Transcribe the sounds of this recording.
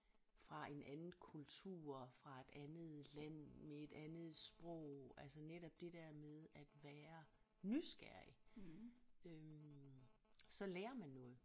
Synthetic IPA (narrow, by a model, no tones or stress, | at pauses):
fʁɑ̈ʔe̝nʔænn̩ˠkʰult͡sʰṵːɐ̰fʁɑ̈e̝d̥ænð̩ˠlæn̰mee̝d̥ænð̞̩ˠsb̥ʁɔ̽ʊ̰ælsɐneɾ̥ɒ̽b̥̚d̥e̝d̥ɛɐ̰meðˠæd̥ʋæːɐ | nysɡ̥æɐ̰i | ø | sɒ̽leːɐmænːɔ̽ːð̩ˠ